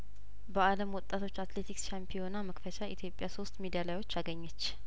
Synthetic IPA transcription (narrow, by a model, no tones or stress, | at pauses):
bəaləmwɔt̪ʼːat̪ʰo̞t͡ʃːat̪le̞t̪ʰikst͡ʃampʰijonaməkfət͡ʃaʔit̪ʰjo̞pʼːjaso̞st̪mid̪ijalajwo̞t͡ʃːaɡəɲːɛt͡ʃː